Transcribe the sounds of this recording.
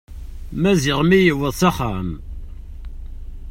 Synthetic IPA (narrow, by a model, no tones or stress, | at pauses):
mæzɪʁmijəwəðˤsaχam